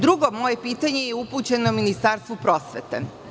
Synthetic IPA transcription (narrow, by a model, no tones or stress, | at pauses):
d̪ɾuɡo̞mo̞je̞piːt̪aɲejeuput͡ɕe̞nominist̪aɾst̪ʋupɾo̞ːsʋet̪ḛ